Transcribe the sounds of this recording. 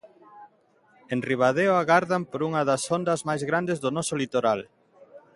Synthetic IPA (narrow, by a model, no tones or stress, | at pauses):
enriβ̞að̞eoaɣaɾðampoɾuŋɐðɐsond̪ɐzmajzɣɾand̪ezðʊnɔsolit̪oɾal